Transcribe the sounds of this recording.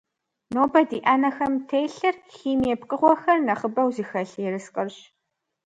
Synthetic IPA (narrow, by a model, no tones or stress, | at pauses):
noːbɐdiːʔɐnɐxɐmtʰejɬɐrxiːmɛpqʼɨʁʷɔxɐrnɐχəbɐwzixɐɬɛɾɨsqʼərɕ